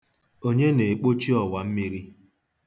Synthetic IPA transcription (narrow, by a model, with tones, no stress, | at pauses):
o˦ɲe˦ne˨k͡po˦t͡ʃi˦ɔ˨wa˨m̩˦mi˦ɾi˦